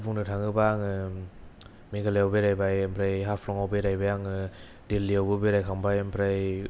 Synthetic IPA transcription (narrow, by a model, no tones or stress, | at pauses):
buŋnɯtʰaŋɯbaŋɯ | mikʰalejawbeɾajbajempʰɾajɦapʰlɔŋawbeɾajbajaŋɯ | dilːiawbɯbeɾajkʰaŋbajempʰɾaj